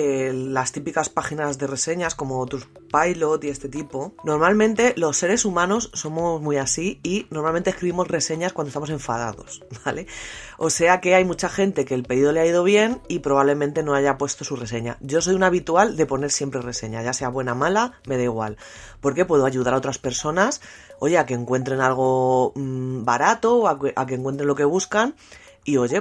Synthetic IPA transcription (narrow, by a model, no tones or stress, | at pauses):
elast̪ipikaspaxinazðe̞re̞se̞ɲasko̞mo̞ot̪ɾospajlot̪ie̞st̪et̪ipo̞no̞ɾmalmẽnt̪e̞lo̞sːe̞ɾe̞sumãno̞sːo̞mozmuiasiinoɾmalmnt̪eskɾiβimo̞zre̞se̞ɲaskwand̪ost̪amo̞sẽ̞ɱfaða̰ðo̞̰sbale̞o̞se̞ake̞ajmut͡ʃaxe̞nt̪e̞keːlpeðiðo̞leaiðo̞β̞je̞nipɾo̞β̞aβle̞mẽnt̪e̞no̞aʝapwe̞st̪o̞sure̞se̞ɲa̰ɟ͡ʝo̞so̞junaβit̪uald̪e̞po̞ne̞ɾsje̞mpɾe̞re̞se̞ɲaʝase̞aβwe̞namalame̞ð̞eiɣ̞wa̰l | po̞ɾke̞pwe̞ðo̞aʝuðaɾao̞t̪ɾaspe̞ɾso̞naso̞ʝe̞ake̞ːŋkwe̞nt̪ɾe̞nalɣ̞o̞ | baɾat̪oakeʔak̬eŋkwent̪ɾe̞nlo̞ke̞β̞uskan | io̞ʝe̞